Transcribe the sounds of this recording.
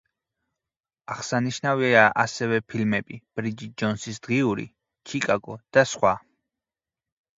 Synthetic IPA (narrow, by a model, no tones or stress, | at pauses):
aʁsaniʃnaviaʔasɛvɛpʰilmɛbib̥ɾid͡ʒid͡ʒɔnsisd̪̥ʁiuɾḭ | t͡ʃʰikʼaɡɔd̪̥asχwa